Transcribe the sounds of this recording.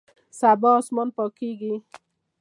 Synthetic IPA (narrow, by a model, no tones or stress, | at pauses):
sabɔːsmɔnpɔkiɡi